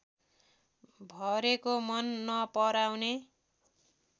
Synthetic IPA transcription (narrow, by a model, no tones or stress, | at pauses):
bʱʌɾekomʌnːʌpʌɾawne